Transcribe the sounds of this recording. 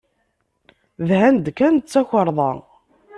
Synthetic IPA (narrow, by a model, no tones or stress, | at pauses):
ðɦænd̪kænt͡sːæçəɾˤðˤɑ̰